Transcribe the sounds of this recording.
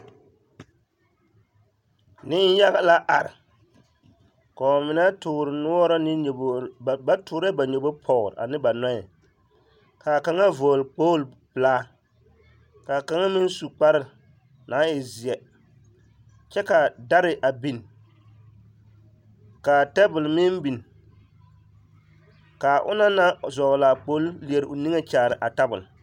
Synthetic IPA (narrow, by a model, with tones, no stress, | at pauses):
nɪ˦n˦ja˦ɣa˦la˦ʔa˨ɾɪ̰˨ | ka˨ɔ˨mɪ˨na˦tʊ˨ɾɪ˨nu˦ɔ˦ɾɔ˦nɪ˦˨ba˦tʊː˨ɾɛ˦ba˨ɲo˨bo˦pʰɔ˨ɾa̰˨nɪ˦ba˨nɔ˦ɛ˨ | ka˨ka˨ŋa˦voː˨lk͡poː˦l | plaː˦ | ka˨ka˨ŋa˦mɪ˦n˦su˨k͡pa˦ɾɪ˨ | na˨˦ɪ˨zɪ˨ɛ˨ | t͡ʃɛ˦ka˨da˦ɾɪ˨ʔa˨bi˨n˨ | ka˨tɛ˦bʊ˨lmɪ˦mbi˨n˨ | ka˨ʔʊ̰˦na˦na˦zɔ˨la˨k͡po˦lli˨e˨ɾʔʊ˨ni˦ŋe˦t͡ʃaː˨ɾɪ˨ʔa˨ta˦bʊ̰˨l